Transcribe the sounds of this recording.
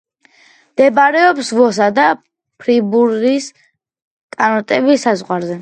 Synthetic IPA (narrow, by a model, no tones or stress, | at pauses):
md̪̥ɛbaɾɛɔpsvɔs̬ad̪a | pʰɾibuɾis | kʼanɔt̪ʼɛbisazʁwaɾzɛ